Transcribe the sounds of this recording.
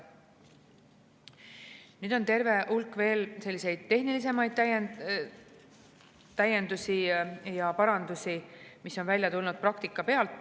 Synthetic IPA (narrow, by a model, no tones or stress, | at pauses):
nyːd̪̥o̞nt̪e̞ɾve̞ʔulkːˑve̞ːlse̞lːise̞jd̪̥̚t̪e̞ɦnilis̬e̞mɑjd̪̥ | t̪æje̞nd̪usijɑpɑɾɑnd̪usimiso̞nvælʲjɑt̪ulnud̪̥̚prɑkt̪ikːˑɑpe̞ɑlt̪ːˑ